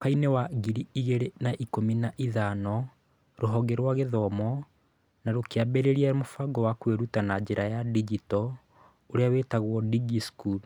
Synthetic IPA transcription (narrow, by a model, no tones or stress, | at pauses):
kainewaɡiɾiiɣeɾenaʔikominaʔiðanɔ | ɾoɦɔɡeɾwaɣeðɔmɔ | naɾokeabɛɾeɾiamofaɡɔwakweɾutanad͡ʑeɾajadid͡ʒitɔ | oɾeawetaɣwɔdiɡiskul